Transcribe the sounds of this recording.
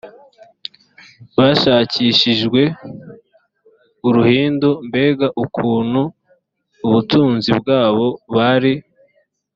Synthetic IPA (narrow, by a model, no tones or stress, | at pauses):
βaʃaːciʃiʒɡwe̞ | uɾuhiːndombe̞ːɡaʔukʰuːn̤̥huː | βutuːnzibɡaːβo̞βaɾi